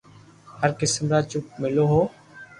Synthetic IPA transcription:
həɾkɪsəmɾaːt͡ʃʊp̚mɪloːɦoː

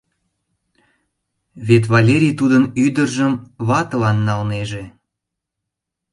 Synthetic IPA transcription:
βet̪̬βɑlʲeɾʲijt̪ud̪ənyd̪ərʒəmβɑt̪əlɑnːɑlneʒe̽

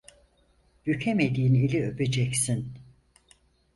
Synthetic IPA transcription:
jycʰemed̪iːnilʲiøbed͡ʒɛcsin

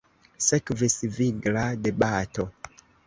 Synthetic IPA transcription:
sekvisviɡladebato

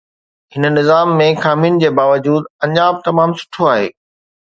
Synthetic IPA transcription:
ɦɪn̆nɪzaːmːẽxaːmiːnd͡ʑeːbaːʋəd͡ʑuːd̪pɐ̃ɲd͡ʑaːbt̪ɐmaːmsʊ̥ʈʰoaːɦḛː

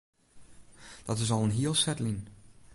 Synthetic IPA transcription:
d̥ɔtɪs̬ɔlˠənɦiəlˠsɛtlin

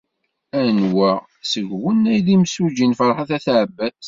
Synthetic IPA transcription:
ænwæ | səʝwənːæjðimsud͡ʒinfəɾˤħəθæθʕbːæθ

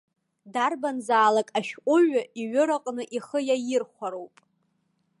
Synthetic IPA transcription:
darbanzaːlakʼaʃᶣqʷʼʊɥaiɥʊɾaqʼnɨʔiχəjajɪrχʷaɾowpʼ

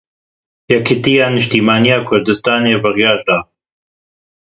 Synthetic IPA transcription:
jɛkʰɪt̪ijaːnɨʃt̪iːmaːnijaːkʰʊɾd̪ɨst̪aːneːbɨɣjɑːɾd̪aː

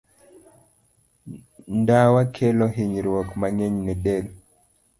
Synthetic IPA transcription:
ndawakʰelɔɦiɲɾwɔkmaŋɛɲnɛdɛl

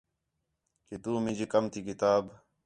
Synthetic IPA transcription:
ket̪uːmɪ̃d͡ʒeːkəmt̪ʰiːkɪt̪aːb

